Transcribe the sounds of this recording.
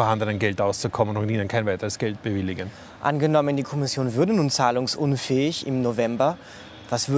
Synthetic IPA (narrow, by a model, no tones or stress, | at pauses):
ɛɐhandənənɡɛltʔaʊst͡sukʰɔmənʊntiːnənkʰaɪnvaɪtəʁəsɡ̥ɛlt̚b̥əvɪlɪɡən | ʔa̰nɡənɔməndiːkʰɔmɪsjoːnvʏɐdənuːnt͡saːlʊŋsʔʊnfɛːɪçɪ̰mnovɛmbɐ | vasv̥ʏ